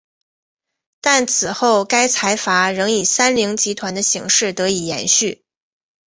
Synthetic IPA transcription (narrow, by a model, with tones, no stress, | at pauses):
t̪a˥˩nt͡sʰɹ̩˨˩xo˥˩ʊka˥ɪt͡sʰa˧˥ɪfa˧˥ɻɤ˧˥ŋi˨˩sa˥nli˧˥ŋt͡ɕi˧˥t̪ʰwa˧˥nd̪ə˧ɕi˧˥ŋʂɻ̩˥˩t̪ɤ˧˥i˨˩jɛ̰˧˥nɕy˥˩